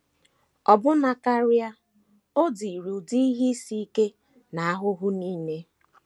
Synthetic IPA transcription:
ɔ˨bʊ˦na˨ka˦ɾʊ˦ja˦ | o˦di˨ɾu˨di˦i˦ɦi˦si˦ke˦ | na˨a˦ɦʊ˦ɦʊ˦ni˦me˦

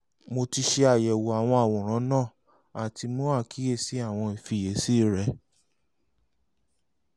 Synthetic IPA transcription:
mo˧ti˧ʃe˧a˨jɛ˨wo˨a˨w̃ɔ̃˧a˨wɔ̃˨ɾ̃ã˨˦nãː˦˨ | a˨ti˧mũ˦a˦˨kʰi˨˦je˦˨si˨˦a˦˨w̃ɔ̃˧i˨fi˧˦˨je˨˦si˦˨ɾɛ˧˦

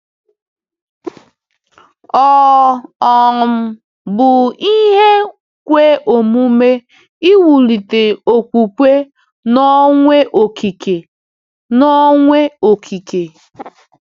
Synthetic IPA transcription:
ɔ˦˨ɔ˨m̩˦ | bʊ˨i˦ɦe˦ | kʷe˦ʔo˨mu˦me˦ | i˦wu˨li˨te˨o˨kʷu˨kʷe˦ | nɔ˦ŋʷe˦ʔo˨kʰi˨ke˨ | nɔ˦ŋʷe˦o˨kʰi˨ke˨

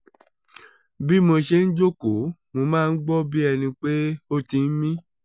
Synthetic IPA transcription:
bi˦mo˧ʃe˧n̩˦d͡ʒo˦ko˨˦mo˧mãː˦˧n̩˦ɡ͡bɔ˦bi˦ɛ˧nĩ˧k͡pe˦o˦tĩ˧n̩˦mĩ˦

